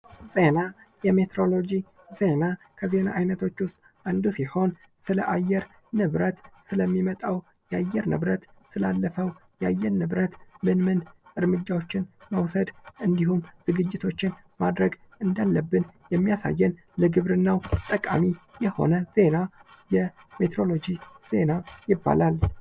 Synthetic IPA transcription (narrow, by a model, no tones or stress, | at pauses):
z̥e̞na | jɛmet̪ʰɾo̞lo̞d͡ʒi | ze̞nakʰəze̞na̰ʔajnət̪ʰo̞t͡ʃːwʊst̪ʼ | ʔand̪usiho̞n | sɨləʔajːɛɾ | nɨβɾət̪sɨləmːimət̪ʼaw | jɛajːɛɾnɨ̰βɾət̪sɨlalːəfəwjɛajːɛɾnɨβɾət̪mɨnmɨnɨɾmɨd͡ʒːawo̞t͡ʃːɪnməwsəd̪ʔɨnd̪ihumz̥ɨɡɨd͡ʒːɪt̪ʰo̞t͡ʃːɪn | mad̪ɾəɡ | ʔɨnd̪alːəbːɨnjɛmːijasa̰jːɛn | ləɡɨβɾɨnːawt̪ʼəkʼa̰mijɛho̞̰nəz̥e̞na | jɛ | me̞t̪ʰɾo̞lo̞d͡ʒiz̥e̞najɪbːa̰lal